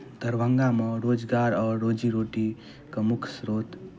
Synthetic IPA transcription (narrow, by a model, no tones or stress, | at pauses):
d̪əɾʋəŋɡamʌ̃ɾod͡ʒɡaɾɔːɾod͡ʒiɾoʈi | kəmʊkʰsɾoːt̪